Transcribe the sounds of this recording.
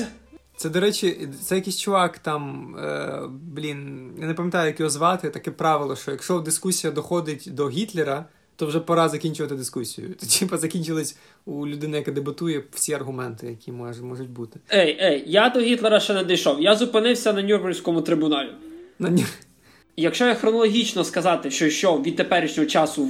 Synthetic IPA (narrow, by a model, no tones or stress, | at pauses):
t̪sɛd̪ɔɾɛt͡ʃʲit̪sɛjɐkisʲt͡ʃʊʋɑkt̪ɑm̰ | blʲinjanepɐmʲjɐt̪ɑjʊjɐkʲiɔzʋɑt̪ɪt̪ɐkɛpɾɑʋɪlˠɔʃt͡ʃɔjɐkʃt͡ʃɔwd̪ɪskusʲijɐd̪ɔxɔd̪ɪtʲd̪ɔɦʲit̪lˠeɾɐ | t̪ɔwʒɛpɐɾɑzɐkʲinʲt͡ʃʊʋɐt̪ɪd̪ɪskusʲijʊ̰t̪tʲʰipɐzɐkʲinʲt͡ʃɪlˠɪsʲ | ulʲʊd̪ɪnɪjɐkɛd̪ebɪt̪ujɛfsʲiɐrɦʊmɛnt̪ɪjɐkʲimɔʒɛmɔʒʊtʲbut̪ɪ̥ejejjad̪ɔɦʲit̪lˠeɾɐʃt͡ʃɛnɛd̪ɐjʃɔwjazʊpɪnɪwsʲɐnɐnʲurmɐnʲsʲkɔmʊt̪ɾɪbʊnɑlʲʊnɐnʲur | jɐkʃt͡ʃɔjaxɾɔnɔlˠɔɦʲit͡ʃnɔskɐzɑt̪ɪʃt͡ʃɔʃt͡ʃɔʋʲid̪̚t̪epɛɾʲɪʃnʲɔɦɔt͡ʃɑsʊ